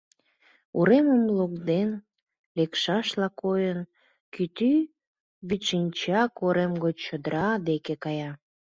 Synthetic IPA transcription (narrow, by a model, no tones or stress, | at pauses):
uɾeməmlokd̪en | lekʃɑʃlɑkojən | kyt̪y | βit̪ʃinʲt͡ɕɑkoɾemɡot͡ɕəd̪əɾʔɑd̪ekekɑjɑ